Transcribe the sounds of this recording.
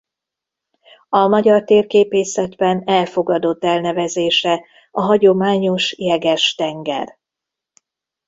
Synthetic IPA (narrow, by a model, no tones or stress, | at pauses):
ɒmɒɟɒrt̪eːrkeːpeːsɛd̪bɛnɛlfo̞ɡɒd̪o̞t̪ːɛlnɛvɛzeːʃɛ | ɒɦɒɟo̞maːɲo̞ʃjɛɡɛʃt̪ɛŋɡɛ̰r